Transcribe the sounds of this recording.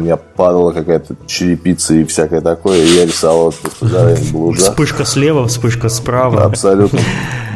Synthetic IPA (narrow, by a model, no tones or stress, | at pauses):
mʲɪnʲapad̪əlˠəkakajət̪ət͡ɕɪɾʲɪpʲit̪səɪfsʲakəjət̪ɐkojəijaɾʲɪsavlalˠt̪əsʲɪzavnblˠuʐaspɨʂkəslʲevəspɨʂkəspɾavəɐ̰psɐlʲut̪nə